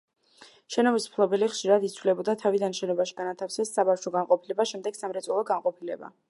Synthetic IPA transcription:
ʃɛnɔbismpʰlˠɔbɛliχʃiɾad̪it̪sʰvlɛbɔd̪at̪ʰavid̪anʃɛnɔbaʃi̥ɡanat̪ʰafsɛsːabafʃɔɡanqʼɔpʰilɛbaʃɛmd̪ɛɡ̥samɾɛt̪sʼɔlˠɔɡanqʼɔpʰilɛba̰

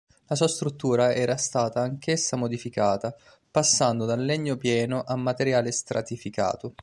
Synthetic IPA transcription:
lasuːast̪ɾut̪ːuːɾaɛːɾast̪aːt̪aːŋkesːamod̪ifikaːt̪a | pasːand̪od̪alːeɲːopjɛːnoʔamːat̪eɾjaːlest̪ɾʔa̰t̪ifika̰ːt̪o

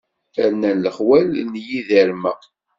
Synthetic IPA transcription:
æɾnænləχwælnjiðəɾmæ

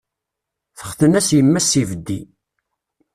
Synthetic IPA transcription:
θə̥χθənæsjəmːæsivəd̪ːi

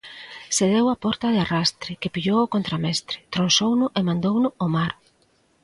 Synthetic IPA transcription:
seðewapɔɾt̪ɐðɪarast̪ɾɪkepiʎowokont̪ɾamɛst̪ɾɪt̪ɾonsownʊʔemãnd̪ownʊomaɾ

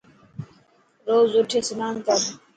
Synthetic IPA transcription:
ɾoːzʊʈʰeːsənaːnkəɾ

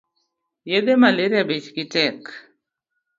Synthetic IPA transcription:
jed̪emaleɾabet͡ʃkɪtɛk

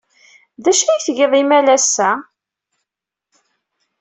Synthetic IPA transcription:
ðæʃæjθʝiðˤimælæsːæ

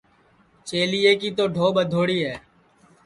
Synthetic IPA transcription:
t͡ʃeːliːeːkiːt̪oːɖʱoːɓəd̪ʱoːɽiːɦɛː

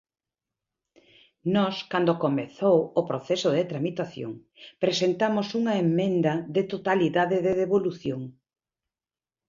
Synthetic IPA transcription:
nɔskand̪okomeθowopɾoθɛsoðet̪ɾamit̪aθjo̰ŋ | pɾesent̪amosuŋɐemːẽnd̪ɐðet̪ot̪aliðaðeðeðeβoluθjoŋ

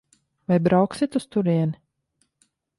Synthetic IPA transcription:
vajbɾawksit̪ust̪uɾiɛn

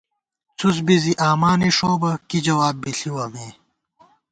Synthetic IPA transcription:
t͡sʰus̬biziʔaːmaːniʂoːbɐkid͡ʑɐwaːbːiɬiwɐmeː

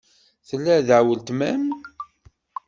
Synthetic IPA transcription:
θəlːæðəʕwəlt̪mæm

